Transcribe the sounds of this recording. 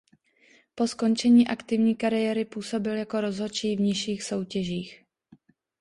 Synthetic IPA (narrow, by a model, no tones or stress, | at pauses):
po̞sko̞nt͡ʃɛɲiːʔakt̪ɪvɲiːkaɾɪjɛɾɪpuːso̞bɪljako̞ɾo̞zɦo̞t͡ʃiːvɲɪʃiːxso̞wcɛʒiːx